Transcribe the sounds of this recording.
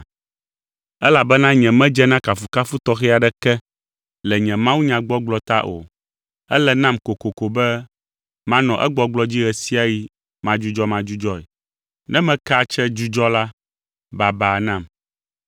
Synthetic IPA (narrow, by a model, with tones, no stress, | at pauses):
ɛ˦la˨bɛ˦nã˦ɲɛ̃˨mɛ̃˦d͡ʒɛ˦nã˦ka˨fu˨ka˦fu˦t̪ɔ˦xɛ˦a˨ɖɛ˦kɛ˦ | lɛ˨ɲɛ̃˨mã˦wu˦ɲã˨ɡ͡bɔ˦ɡ͡blɔ˦t̪a˦ʔo̰˨ | ɛ̰˦lɛ˨nã˦mko˨ko˨ko˨bɛ˦ | mã˦nɔ̃˨ʔɛ̰˦ɡ͡bɔ˦ɡ͡blɔ˦d͡ʑi˦ɣɛ˨si˦a˦ji˦ | mã˨d͡ʒu˦d͡ʒɔ˦mã˨d͡ʒu˦d͡ʒɔ˦ɛ̰˨ | nɛ̃˦mɛ̃˦ka˦˨t͡ʃɛ˦d͡ʒu˦d͡ʒɔ˦la˦ | ba˨ba˨nã˨m